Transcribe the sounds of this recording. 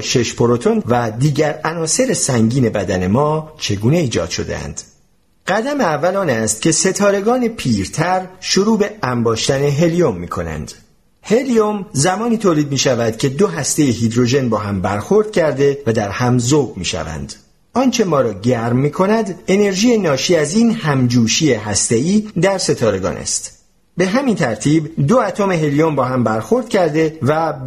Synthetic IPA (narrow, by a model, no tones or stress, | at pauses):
ʃe̞ʃpʰoɾo̞t̪ʰo̞nvæd̪iːɟæɾænɒːse̞ɾesæŋɟiːne̞bæd̪æne̞mɒːt͡ʃʰe̞ɡuːne̞iːd͡ʒɒ̰ːd̪̥ʃo̞̰d̪ḛæ̰nd̪̥ | ɢ̥æd̪æmeævːælɒːnæst̪̚cʰe̞se̞t̪ʰɒːɾe̞ɡɒːne̞pʰiːɾt̪ʰæɾʃoɾuːbe̞æmbɒːʃt̪æne̞ɦe̞lio̞mːiːkʰo̞̰næ̰nd̪̥ | he̞liomzæmɒːniːt̪ʰoːliːd̪̚miːʃævæd̪̥cʲʰe̞d̪oɦæst̪e̞jeɦid̪ɾo̞ʒe̞nbɒːɦæmbæɾxo̞ɾd̪̥̚cʰæɾd̪e̞væd̪æɾhæmzoːbmḭːʃæ̰væ̰nd̪̥ | ɒːnt͡ʃʰe̞mɒːɾɒːɟæɾmːiːkʰo̞næd̪e̞ne̞ɾʒiːjenɒːʃiːæziːnhæmd͡ʒuːʃiːeɦæst̪e̞iːd̪æɾse̞t̪ʰɒːɾe̞ɡɒ̰ːnʔæ̰st̪ | be̞ɦæmint̪ʰæɾt̪ʰiːbd̪oæt̪ʰome̞ɦe̞lijo̞mbɒːɦæmbæɾxo̞ɾd̪̚cʰæɾd̪e̞væ